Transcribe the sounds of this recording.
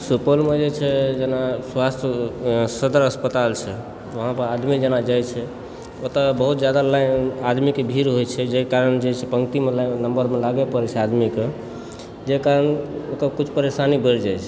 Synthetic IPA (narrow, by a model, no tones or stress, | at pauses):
supəlmed͡ʒet͡ʃʰɛd͡ʒenaswast̪ʰəsəd̪əɾəspət̪alt͡ʃʰɛ | ʋəɦãpəɾad̪mid͡ʒenad͡ʒajt͡ʃʰɛ | ot̪abəɦut̪d͡ʒjad̪alajad̪mikebʱiɾɦojt͡ʃʰɛd͡ʒekaɾənd͡ʒet͡ʃʰɛpəŋɡt̪imelanəmbəɾmelaɡepəɾɛt͡ʃʰɛad̪mike | d͡ʒekaɾənokəkut͡ʃʰpəɾesanibəɾd͡ʒajt͡ʃʰɛ